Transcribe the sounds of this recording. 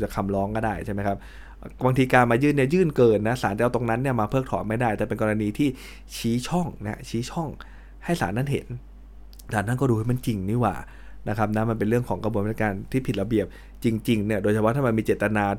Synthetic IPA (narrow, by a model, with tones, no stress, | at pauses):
t͡ɕa˨˩kʰa˧mɾɔː˦˥ŋkɔː˥˩daː˥˩jt͡ɕʰa˥˩ma˦˥jkʰa˦˥p̚ | baː˧ŋt̪ʰiː˧kaː˧nmaː˧jɯː˥˩nːi˥˩jɯː˥˩nkɤː˧nːa˦˥sa̰ː˩˦nt͡ɕa˧t̪o˧ŋna˦˥nːi˥˩ɐmaː˧pʰɤː˥˩k̚t̪ʰɔ̰˨˩˦nma˥˩jdaː˥˩jt̪ɛː˨˩pe˧nkɔː˧ɾa˧niː˧t̪ʰiː˥˩ | t͡ɕʰiː˦˥t͡ɕʰɔ˥˩ŋna˦˥t͡ɕʰiː˦˥t͡ɕʰɔ˥˩ŋ | ha˥˩jsaː˨˩˦nːa˥˩nɦḛ˩˦n | saː˨˦nːa˦˥˩nkɔː˥˩duː˧ha˥˩ma˧nt͡ɕi˧ŋniː˥˩wa̰ː˨˩ | na˦˥kʰa˦˥p̚na˦˥ma˧npe˧nɾɯ˥˩əŋkʰɔː˩˦ŋka˧bu˧n˥˩sa˧kaː˧nt̪ʰiː˥˩i˨˩t̪̚la˧bi˨˩əp̚ | t͡ɕi˧ŋt͡ɕi˧ŋni˥˩ɐdoː˧jt͡ɕʰa˧pʰɔ˦˥t̪ʰaː˥˩ma˧nmiː˧t͡ɕeː˨˩t̪ːa˧naː˧